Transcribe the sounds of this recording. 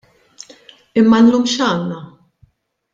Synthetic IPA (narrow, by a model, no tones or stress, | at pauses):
ɪmːɐnluːmʃɐːnːɐ